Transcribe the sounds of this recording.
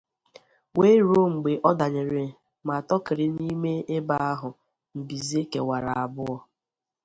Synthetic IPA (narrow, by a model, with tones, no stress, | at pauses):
we˦ɾo˦ŋ͡m̩˨ɡ͡be˨ʔɔ˦da˨ɲe˨ɾe˨ | ma˨tɔ˦kɪ˨ɾɪ˨ni˦me˦e˦ba˦a˦ɦʊ˨ | m̩˨bi˨ze˦kḛ˨wa˨ɾa˨a˨bʊ˦ɔ˦